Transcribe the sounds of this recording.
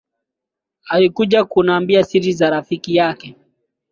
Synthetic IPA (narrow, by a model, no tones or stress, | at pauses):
alikuʄakunaːmbiasiɾizaɾafikijakɛ